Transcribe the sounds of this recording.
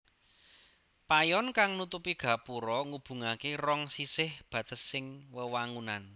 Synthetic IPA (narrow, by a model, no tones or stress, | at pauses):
pajɔnkaŋnut̪upiɡ̥ä̤puɾɔŋub̥ṳŋakerɔŋsisɪhb̥ä̤d̪̥ə̤sɪŋwəwaŋunan